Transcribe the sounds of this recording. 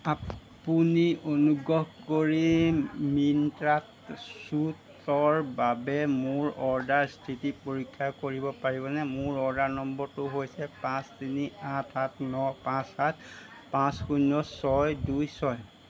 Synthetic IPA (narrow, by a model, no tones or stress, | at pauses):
apunionuɡɹɔɦkoɹimintɹatsut | ɔɹbabɛmʊɹɔɹdaɹstʰitipoɹikʰːakoɹibɔpaɹibɔnɛmʊɹɔɹdaɹnɔmbɔɹtʊɦojsɛpãstiniatʰatnɔpãsat̚ʰ | pãsxunɔsɔjdujsɔj